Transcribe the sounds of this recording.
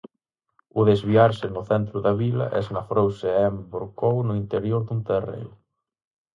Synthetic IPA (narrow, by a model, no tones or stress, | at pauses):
ʊðezβiaɾsɪnʊθɛnt̪ɾʊðɐβilɐ̰ʔɛ̰znɐfɾowseɛmboɾkownʊint̪eɾjoɾðunt̪erḛ